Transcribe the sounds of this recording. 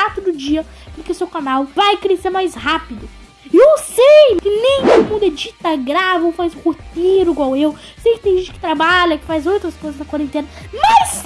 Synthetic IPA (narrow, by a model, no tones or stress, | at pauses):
at̪ʊd̪ʊd͡ʒiɐpʊɾkeʊsewkanawvajkɾeseɾmajshapɪd̪ʊ | ɪewsejkɪnẽj̃t̪od̪ʊmũd̪ed͡ʒit̪ɐɡɾavɪowfajz̃hot̪eɾʊiɡwawew | sejkɪt̪ẽj̃ʒẽt͡ʃɪkɪ̥t̪ɾabaʎɐkɪ̥fajzowt̪ɾɐskojzɐznɐkwaɾẽnt̪ẽnɐmɐs